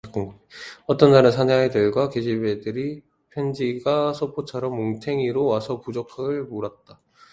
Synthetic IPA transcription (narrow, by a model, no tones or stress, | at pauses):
k͈oŋɡo | ʌt͈ʌnd͡ʑaɾɯnsʰaneɦaedɯɭɡwaked͡ʑibedɯɾi | pʰjend͡ʑiɡasʰopʰot͡ɕʰʌɾʌmːoŋtʰe̞ŋiɾowasʰʌpud͡ʑokʰaɡɯɭmoɾat̚t͈a